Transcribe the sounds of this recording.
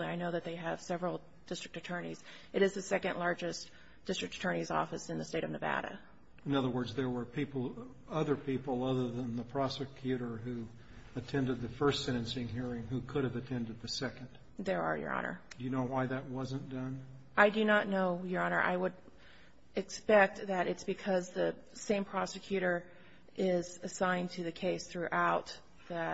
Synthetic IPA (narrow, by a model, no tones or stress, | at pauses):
aɪnoʊðɨt̪̚ðeɪɨv̥sɛvɹl̩ˠ | d̥ɪstɹ̥ɨk̚tɨtʰɜ˞nḭz̥ | ʔɨɾɨzðɨsɛkɨ̃nʔlɑɹd͡ʒɨs | d̥ɪstɹ̥ɨktɨ̥tʰɜ̃˞ñizɔ̰fɨsɨ̃nðɨsteɪɾʌvnɨvæ̰ɾɨ̰ | ɨ̃nʌðə˞wɜ˞dzðə˞wə˞pʰipl̩ˠ | ʌðə˞pʰipl̩ˠʌðə˞ðə̃nðəpʰɹ̥ɑsɨkʰjʉɾə˞ɦʉ | ɨtʰɛ̃ndɨd̪̚ðɨfɜ˞stsɛ̃ɾ̃ɨ̃nsɪ̃ŋhiɹɪ̃ŋhʉkʰʊɾɨvɨtʰɛ̃ndɨd̪̚ðɨsɛkɨ̃nd̥ | ðə˞ə̰˞jə̰˞ʔɑ̰nʔə̰˞d̥ɨjɨnoʊwaɪðɨt̚wʌzɨ̃nd̥ʌ̃n | ʔaɪdɨnətⁿnoʊjə˞ɑnə̰˞ʔa̰ɪwəɾ | ɨkspɛk̚t̪̚ðɨɾɨtsb̥ɨkʰʌzðɨ | sẽɪ̃mpʰɹ̥ɑsɨkʰj̥ʉɾə˞ | ʔɪzɨsãɪ̃ntʰɨðɨkʰeɪsθɹʉʔaʊt̪̚ | ðɨ